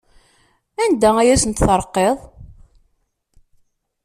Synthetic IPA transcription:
ænd̪ææjæsənt̪θəɾˤəqːeðˤ

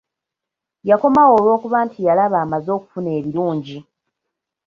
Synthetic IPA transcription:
jako̞mawo̞ːlwo̞ːkuβantʰijalaβaːmazo̞ːku̥fune̞ːβiɾuːɲɟi

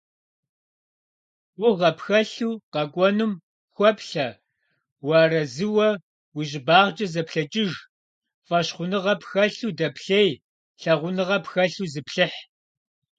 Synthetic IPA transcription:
wʊʁɐpxɐɬuːqɐkʷʼɔnɨm | xʷɔpɬɐ | wɑːrɐzɨwɐ | wʊʑɪbaːʁd͡ʒʼɐzɐpɬɐt͡ʃʼɪʒ | fʼɐɕχʷʊnɨʁɐpxɐɬuːdɐpʰɬeːj | ɬɐʁʷʊnɨʁɐpxɐɬuːzɨpɬɨħ

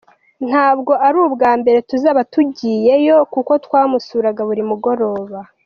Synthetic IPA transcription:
n̥haːbɡo̞ʔaɾuːbɡaːmbe̞ɾe̞tuzaːβatuɟiːje̞jo̞kuko̞twaːmusuːɾaɡaβuɾimuɡo̞ɾo̞ːβa

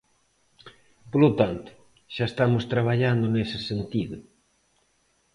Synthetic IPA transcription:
polot̪ant̪ʊ̥ | ʃaest̪amʊst̪ɾaβ̞aʎand̪onesɪsent̪iðʊ

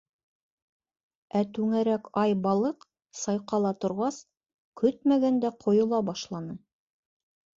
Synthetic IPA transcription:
æt̪ʉŋæɾækɑjbɑlˠɤq | sɑjqɑlˠɑt̪ŏɾʁɑs | kɵt̪mæɡænd̪æqʰŏjŏlˠɑbɑʃlˠɑnɤ

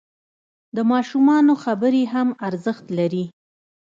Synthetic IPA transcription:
d̪əmɑʃumɑnoxabəɾeɦamaɾzəxt̪laɾi

